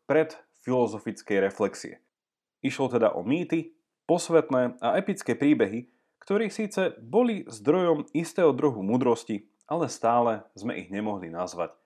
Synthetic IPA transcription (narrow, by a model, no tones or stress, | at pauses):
pɾɛt̪ | filɔzɔfit͡skɛjɾɛflɛksḭɛ̰ | iʃlɔt̪ɛd̪a̰ʔɔ̰miːt̪i | pɔsʋɛt̪nɛːaɛpit͡skɛːpɾiːbɛɦi | kt̪ɔɾiːxsiːt͡sɛbɔlizd̪ɾɔjɔmist̪ɛːɦɔd̪ɾuɦumuːd̪ɾɔsci | ʔalɛst̪aːlɛzmɛ̰ʔḭɣɲɛmɔɦlinazʋa̰c